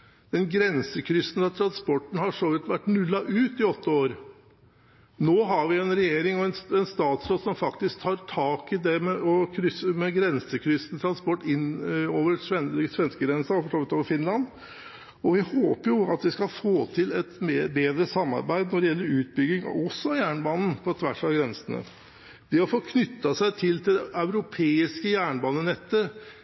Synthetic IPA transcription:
d̪̥ɛnɡɾɛnsəkʰɾʏsːənɑt̪ʰɾɑnspɔʈːn̩hɑʂɔʋɪt̪ːʋæʈːnʉlːɑʔʉːt̪ɪɔt̪ːəoːɾ | noːɦɑɾʋɪɛnɾɛjeːɾɪŋɔɛnsɛnst̪ɑːt̪sɾoːd̪sɔmfɑkt̪ɪsk̚t̪ʰɑːɾʈʰɑːkɪd̪ɛmɛʔɔkʰɾʏsəmɛɡɾɛnsəkʰɾʏsnt̪ʰɾɑnspɔʈːɪnːoːʋəɾʂɛsʋɛnskəɡɾɛnsɑɔfɔʂoːʋɪt̪oːʋəɾfɪnlɑnd̪ | ɔʋɪhoːpəɾjʊɑt̪d̪ɪskɑlfoːt̪ʰɪlɛt̪mebeːd̪ɾəsɑmːɑ̰ɾbæɪd̪nɔɖɛjɛlːəɾʉːt̪̚bʏɡɪŋ̰ɔsːɔɑjæːɳəbɑːnn̩pʰɔt̪ʰʋæʂɑɡɾɛnsənə̰ | d̪ɪhɑfoːkʰnʏt̪ːɑsæɪt̪ʰɪlt̪ʰɪd̪ɛɑʉɾʊpʰeːɪskəjæːɳəbɑːnənɛt̪ːə

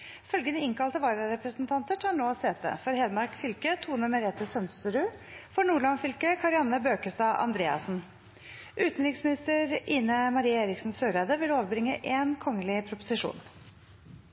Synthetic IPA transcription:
fœlɡənəɪŋkʰɑlt̪əʋɑːɾəɾɛpɾəsnt̪ʰɑnt̪əʈhɑːɳoːseːt̪ə̰fɔɾheːd̪mɑɾkfʏlkət̪ʰuːnɔməɾɛːt̪əsœnst̪əɾʉːfɔɳuːɭɑnfʏlkəkʰɑɾɪɑnəbøːkəst̪ɑːʔɑ̰nd̪ɾeːɑ̰sn̩ | ʔʉːt̪n̩ɾɪksmɪnɪst̪əɾiːnəmɑɾiːəeːɾɪksn̩søːɾæd̪əʋɪloːʋəbɾɪŋːəʔeːnkʰɔŋːəlɪpʰɾʊpʊsɪʂṵːn

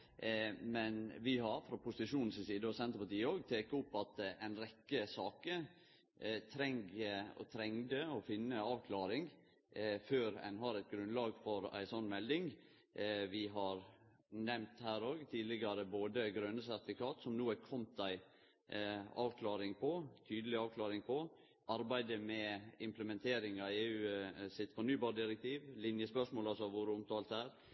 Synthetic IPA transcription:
mɛnʋɪɦɑɾfɾɑpʰʊsɪʂuːnn̩sɪsiːd̪əɔsɛnt̪əpɑʈiːəoːɡt̪ʰeːkʊpːɑt̪æɪnɾɛkːəsɑːkə | t̪ʰɾɛŋɡɔ̰t̪ʰɾɛŋd̪əɔfɪnːəɑːʋkʰlɑːɾɪŋ | føːɾɛ̰nɦɑɾæɪt̪̚ɡɾʉnlɑːɡfɔɾæ̰ɪsɔnːmɛld̪ɪŋ | ʋɪɦɑɾ | nɛmt̪hæːɾoːɡt̪ʰiːd̪lɪɡɑɾəboːd̪əɡɾœnəsæɾt̪ɪfɪkɑːt̪sɔmnuːəkʰɔmt̪æɪ | ɑːʋkʰlɑːɾɪŋpʰɔt̪ʰyːd̪əlɪɑːʋkʰlɑːɾɪŋpʰɔ | ʔɑɾbæɪd̪əmɛɪmpləmɛnt̪ʰeːɾɪŋɑeːʉːsɪt̪ːfɔɳyːbɑːɖɪɾɛk̚t̪ʰiːʋlɪnjəspœʂmoːlɑlsɔɑʋoːɾəʊmt̪ʰɑːlt̪æːɾ

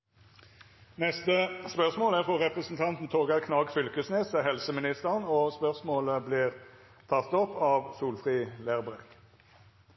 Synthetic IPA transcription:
nɛst̪əspœʁsmoːlæʁfɔʁɛpʁəsn̩t̪ʰɑnt̪n̩t̪ʰoːɡɑʁkʰnɑːɡfʏlkəsneːsɛhɛlsəmɪnɪst̪əʁnɔːspœʁsmoːləbliːʁ | t̪ʰɑt̪ːɔpːɑːʋsuːlfʁiːlæːʁbʁɛɡ

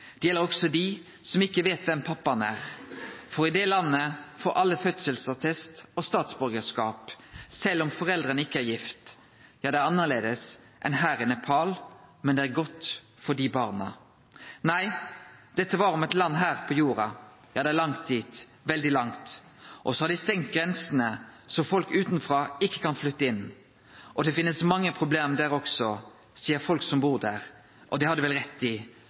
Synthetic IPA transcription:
d̪̥ɛjɛlːəɾɔksɔd̪ɪ | sɔmɪkːəʋeːt̪ʋɛmpʰɑpːɑnæːʁfɔɾɪd̪eːlɑnːəfoːɾʔɑlːəfœt̪səlsɑt̪ʰɛst̪ɔst̪ɑːt̪sbɔɾɡəskɑːpsɛlːɔmfɔʁɛld̪ʁənəɪkːəæːɾjɪft̪ | jɑːd̪ɛæɑnːəʁleːd̪əs | ʔɛ̰nɦæːʁənɛpʰɑːlmɛnd̪ɛæːɾɡɔt̪ː | fɔɖiːbɑːʁnɑ̰ | næɪd̪̥ɛt̪ːəʋɑɾɔmɛt̪lɑnːɦæːʁpʰɔjuːɾɑ | jɑːd̪ɛæʁlɑŋt̪̚d̪iːt̪ | ʋɛld̪ɪlɑŋt̪ | ʔɔsɔhɑɾd̪ɪst̪ɛŋt̪̚ɡʁɛnsənəsɔmfɔlkʉːt̪nfʁɑːɪkːə̥kʰɑnflʏt̪ːəɪn | ʔɔd̪ɛfɪnːəsmɑŋːəpʰʁʊbleːmd̪æːɾɔksɔ | siːəɾfɔlksɔmbuːʁd̪æːʁ | ʔɔd̪ɛhɑd̪ːəʋɛlʁɛt̪ːɪ

